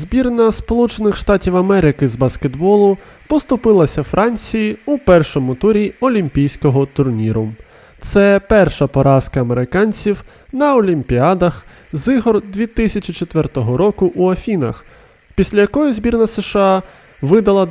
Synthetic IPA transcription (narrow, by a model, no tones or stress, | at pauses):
zʲbʲirnɐspɔlˠut͡ʃenɪxʃt̪ɑtʲiwɐmɛɾɪkɪzbɐsked̪bɔlˠʊ | pɔst̪ʊpɪlˠɐsʲɐfɾʔɑnʲt͡sʲijiupɛrʃɔmʊt̪uɾʲiɔlʲimʲpʲijsʲkɔɦɔt̪ʊrnʲiɾʊ | t̪sɛpɛrʃɐpɔɾɑskɐːmeɾɪkɑnʲt͡sʲiw | nɐɔlʲimʲpʲiɑd̪ɐx | zɪɦɔrd̪ʲʋʲit̪ɪsʲɐt͡ʃit͡ʃɔt̪ʋɛrt̪ɔɦɔɾɔkʊʔuɐfʲinɐ̰x | pʲisʲlʲɐjɐkɔjizbʲirnɐseʃɑ | ʋɪd̪ɐlˠɐ